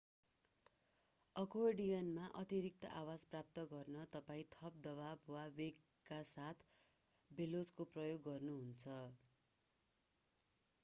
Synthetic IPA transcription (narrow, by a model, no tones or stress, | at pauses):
ʌkoɖijʌnmaʔʌt̪iɾik̚t̪ʌ̰ʔawad͡zprap̚t̪ʌɡʌrnʌt̪ʌpaĩt̪ʰʌp̚d̪ʌβabwawek | kːasat̪ʰ | belod͡zkoprʌjoɡːʌrnuɦunt͡sʰʌ